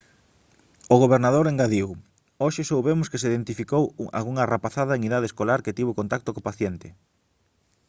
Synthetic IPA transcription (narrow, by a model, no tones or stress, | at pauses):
oɣ̞oβ̞eɾnaðoɾeŋɡaðiw | oʃɪsowβemʊskesiðent̪ifikow̰a̰lɣuŋarapaθaðɐeŋiðað̞eskolaɾkɪt̪iβokont̪ak̚t̪okopaθjɛnt̪ɪ